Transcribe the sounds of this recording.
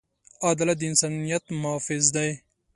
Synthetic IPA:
aːd̪ɐlɐd̪insaːnijɐt̪mafizd̪ɐj

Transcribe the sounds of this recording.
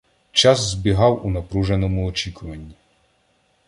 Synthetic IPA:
t͡ʃɑzzbʲiɦɑwunɐpɾuʒenɔmʊɔt͡ʃikʊʋɐnʲːi

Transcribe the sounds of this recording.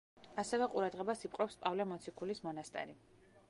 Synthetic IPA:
asɛvɛqʼuɾad̪ʁɛbasipʼqʼɾɔpspʼavlɛmɔt̪sʰikʰulismɔnast̪ʼɛ̰ɾi

